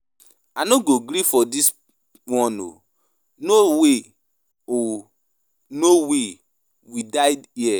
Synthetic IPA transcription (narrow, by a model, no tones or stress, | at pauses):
anoɡoɡɾifɔdis | wɔ̃no̰ | nowe | o | nowe | widaɪdiɛ